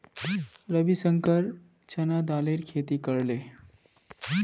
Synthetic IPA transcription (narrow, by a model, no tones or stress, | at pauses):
ɾəbisəŋkəɾ | t͡ʃɐnad̪aːleɾkʰeːt̪ikəɾleː